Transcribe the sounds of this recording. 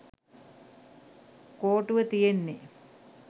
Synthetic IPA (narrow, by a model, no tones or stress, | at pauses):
koːʈuʋət̪ijenːe